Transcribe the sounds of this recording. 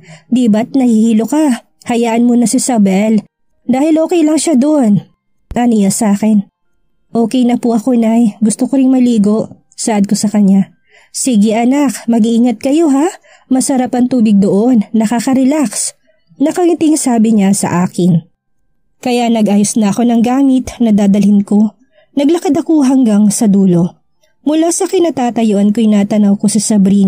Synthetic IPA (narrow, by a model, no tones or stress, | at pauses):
d̪ibɐt̪̚nɐhihiːloka | hɐjaːʔɐnmonɐsɪsɐbɛl | d̪aːhɪlʔo̞ːkɛjlɐŋʃad̪oʔon | ʔɐnijɐsaːkɛn | ʔo̞ːkɛjnɐpʊʔɐko̞najɡʊst̪okoɾɪŋmɐliːɡoʔ | sɐʔɐd̪̚ko̞sɐkɐɲːa | siɡɪʔɐnakmɐɡiʔiːŋɐt̪̚kɐjo̞ɦa | mɐsɐɾapɐŋt̪uːbɪɡ̚d̪oʔo̞nːɐkakɐɾɛlaks | nɐkɐt̪ɪŋsaːbɪɲasɐ̰ʔaːkɪn | kɐjaʔnɐɡʔaːjosnɐɐko̞nɐŋɡaːmɪt̪nɐd̪aːd̪ɐlɪnko̞ | nɐɡlɐkɐd̪ɐko̞ɦɐŋɡaŋsɐd̪uːlo | mʊlaːsɐkɪnat̪aːt̪ɐjoʔɐnkojnaːt̪ɐnɐwko̞sɐsɐbɾiːn